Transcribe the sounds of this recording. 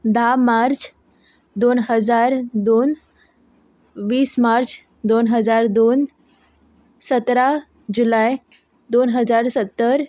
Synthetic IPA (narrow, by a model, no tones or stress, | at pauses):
d̪amaɾt͡s | d̪onɦəd͡zaɾd̪on | ʋiːsmaɾt͡s | d̪onɦəd͡zaɾd̪on | sət̪ɾa | d͡ʑulaj | d̪onɦəd͡zaɾsət̪ːəɾ